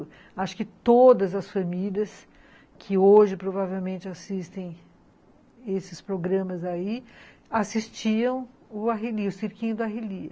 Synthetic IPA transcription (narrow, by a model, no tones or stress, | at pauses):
aʃʊ̥kɪt̪od̪ɐzɐsfɐmilʲiɐs | kʰɪoʒɪpɾovavewmẽnt͡ʃɪasist̪ẽj̃ | esɪspɾoɡɾɐ̃mɐzaiasist͡ʃiɐ̃w̃ | ʊaɦeliʊseɾkĩɲʊd̪ʊaɦiliɐ